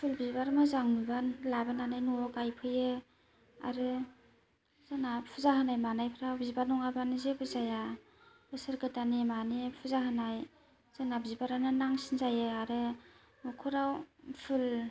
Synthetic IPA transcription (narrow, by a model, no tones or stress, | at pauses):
pʰɯlbizbaɾmɯzaŋmɯbanlabananajnuɔɡajpʰɯjɯ | a̰ɾɯ | z̥ɯnapʰuzaɦɯnajmanajpʰɯɾawbizibanɔŋabanzebɯzaja | bɯsɯɾɡɯtanimanipʰuzaɦɯnaj | z̥ɯnabizibaɾananaŋsinzajɯaɾɯ | mɔkʰuɾawpʰɯl